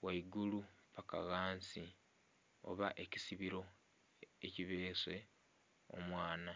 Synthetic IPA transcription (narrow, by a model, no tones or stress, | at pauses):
waiɡulupaka̰ɣaːnsi | o̞̰βa̰ʔe̞cisiβiɾo̞ | eciβeːse̞ | omwaːna